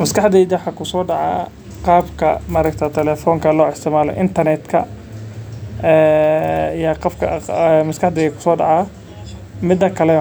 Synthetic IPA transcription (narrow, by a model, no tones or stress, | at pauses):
mɐskɑħd̪ɛd͡ʒɐħɐkʰʊsɔːɖɑʕɑ̰ː | qɑːbkʰɐ̰mɐɾɐkt̪ʰɐt̪ʰɛlɛːfɔːŋkʰɐlɔːɪst̪ʰɪmaːlɛ̰ʔɪnt̪ʰɐrnɛd̪kʰɐ̰ | ɛː | jɐqɑfkʰɐmɐskɑħd̪ɛjɐkʰʊ̥sɔːɖɑʕɑː | mɪd̪ɐkʰɐlɛ